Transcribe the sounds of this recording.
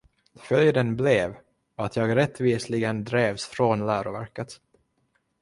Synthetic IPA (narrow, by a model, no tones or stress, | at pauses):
fœljd̪ənblɛv | at̪ʰjɑːɡɾɛt̪ːviːslɪɡənd̪ɾeːvsfɾonlæːɾʊvæ̰ɾkət̪